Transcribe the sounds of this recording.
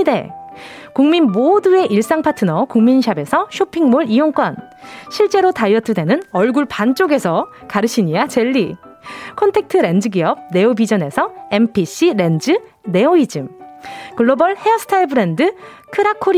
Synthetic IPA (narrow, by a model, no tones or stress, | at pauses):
de̞̰ | kuŋminmodue̞ʔiɭs͈aŋpʰatʰɯnʌkuŋminɕ̬ʰabe̞sʰʌɕʰopʰiŋmoɾijoŋk͈ʌn | ɕʰiɭt͡ɕ͈e̞ɾotaijʌtʰɯde̞nɯnʌɭɡuɭpant͡ɕ͈oɡe̞sʰʌ | kaɾɯɕʰiɲijat͡ɕe̞ɭːi | kʰontʰe̞k̚tʰɯɾe̞nd͡ʑɯɡiʌb̚ne̞obid͡ʑʌne̞sʰʌe̞mpʰiɕ͈iɾe̞nd͡ʑɯ | ne̞oid͡ʑɯmkɯɭːobʌɭheʌsʰɯ̥tʰaiɭbɯɾe̞ndɯ | kʰɯɾakʰoɾ